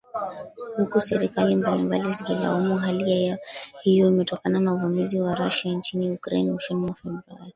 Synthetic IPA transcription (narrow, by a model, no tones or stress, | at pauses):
hukusɛɾikalimbalimbaliziɡɛla̰ɔmuɦaliajahijɔimɛtɔkananauvumiziwaɾaʃant͡ʃiniukɾɛ̰nmuʃɛnimafɛa̰li